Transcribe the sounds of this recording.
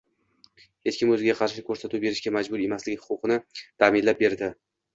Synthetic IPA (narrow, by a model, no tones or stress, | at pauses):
he̞t͡ʃkʲɪmɵzɪɡʲaqʰɑɾʃɪkʰɵɾsat̪ʰube̞ɾɪʃɡʲamad͡ʒbʊɾe̞maslɪɡʲɪhʊ̥qʰʊqʰɨnɪt̪ʰamɪnlap̚be̞ɾd̪ɪ